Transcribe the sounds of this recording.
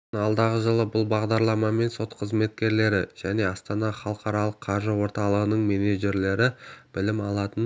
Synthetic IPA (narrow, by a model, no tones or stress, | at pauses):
ɑlˠd̪ɑʁəʒəlˠəbʊlˠbɑʁd̪ɑɾlˠɑmɑme̞nso̞t̪qʰəzme̞t̪kʲe̞ɾle̞ɾɪʒ̥æne̞ɑst̪ɑnɑχɑlˠəqɑɾɑlˠəqʰːɑɾʒəwo̞ɾt̪ɑlˠəʁənəɴmeneʒe̞ɾle̞ɾɪb̥ɪlɪmɑlˠɑt̪ən